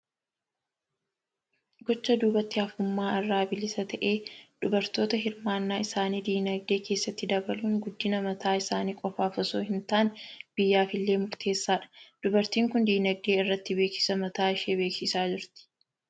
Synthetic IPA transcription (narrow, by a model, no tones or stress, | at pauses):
ɡɔt͡ʃːɐd̪uːbɐt̪ːɪɐfʊmːaːɐrːaːbɪlɪsɐt̪ɐʔe̞ːd̪̥ʊbɐɾt̪o̞ːt̪ɐɦɪɾmaːnːaːɪsaːniːd̪iːnɐɡ̚d̪e̞ːke̞ːsːɐt̪ːɪd̪ɐbɐluːŋɡʊd̪ːɪnɐmɐt̪ʰaːɪsaːniːkʼɔfaːfɔsoːhɪnt̪aːnb̥ɪjːaːfɪlːe̞ːmʊɾt̪ʰe̞ːsːaːᶑɐ̥d̪̥ʊbɐɾt̪iːŋkʊnd̪iːnɐɡ̚d̪eːɪrːɐt̪ːɪbeːksɪ̥sɐmɐt̪aːɪʃeːbe̞ːksɪsaːd͡ʒɪɾt̪ɪ̥